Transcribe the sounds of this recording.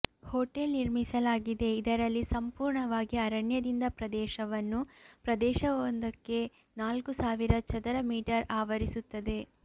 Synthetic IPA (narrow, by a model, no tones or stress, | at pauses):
hoːʈelniɾmisɐlaːɡid̪e̞id̪ɐɾɐlːisɐmpuːɾɳɐʋaːɡiɐɾɐɳjɐd̪ind̪ɐpɾɐd̪ɛːʃɐʋɐnːupɾɐd̪ɛːʃɐʋond̪ɐkːe̞ | naːlkusaːʋiɾɐt͡ʃɐd̪ɐɾɐmiːʈɐɾaːʋɐɾisut̪ːɐd̪e̞